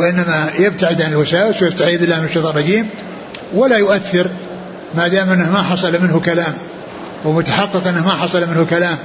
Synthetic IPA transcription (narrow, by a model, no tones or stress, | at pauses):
ʔɪnːamajɪb̚t̪aʕɪd̪ʕanɪlwasaːwɪswjɪst̪aʕiːd̪ɪlːaːmɪnʃɑðˤɑɾˤɑɡiːm | wɪlajʊʔaθːɪɾ | mad̪aːmʔɪnːɪhmaħɑsˤɑlmɪnhʊkalaːm | wɪmʊt̪aħɑqːɨqʔɪnːahmaħɑsˤɑlmɪnhʊkalaːm